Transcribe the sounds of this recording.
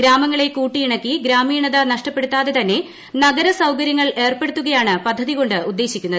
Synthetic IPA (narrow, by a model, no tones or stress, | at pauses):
ɡɾaːmɐŋːɐɭe̞kuːʈːijiɳɐkːiɡɾaːmiːɳɐðɐnɐʂʈɐpːeɽut̪ːaːðe̞t̪ɐnːe̞ | nɐɡɐɾɐsɐwkɐɾjɐŋːɐɭe̞ːrpe̞ɽut̪ːuɣɐjaːɳɨpɐd̪ʱːɐðiɣo̞ɳɖɨud̪ːe̞ːɕikʲːunːɐðɨ